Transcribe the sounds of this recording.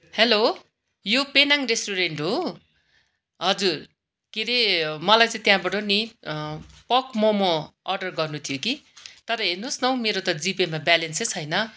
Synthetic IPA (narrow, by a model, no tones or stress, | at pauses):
helo | jopenaŋresʈuɾeɳʈɦo | ɦʌd͡zur | keɾemʌlajt͡sãĩt̪jãbʌʈoni | pʌkmʌmoʌrɖʌrɡʌrnut̪ʰijokit̪ʌɾʌɦernusnʌw̃meɾot̪ʌd͡zipemabalensesɦʌjnʌ